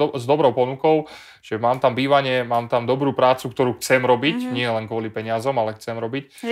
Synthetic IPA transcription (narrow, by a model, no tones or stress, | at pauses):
zd̪ɔbɾɔʊpɔnukɔʊ | ʒ̥ɛmaːmt̪ambiːʋaɲɪɛmaːmt̪amd̪ɔbɾuːpɾaːt͡sukt̪ɔɾuːxt͡sɛmɾɔbicɲɪɛlɛnkʋɔlipɛɲɪazɔmalɛxt͡sɛmɾɔbic